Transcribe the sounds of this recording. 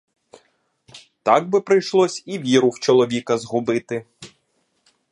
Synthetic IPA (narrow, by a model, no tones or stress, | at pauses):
t̪ɑɡ̚bɪpɾɪjʃlˠɔsʲiʋʲiɾʊwt͡ʃɔlˠɔʋʲikɐzɦʊbɪt̪ɪ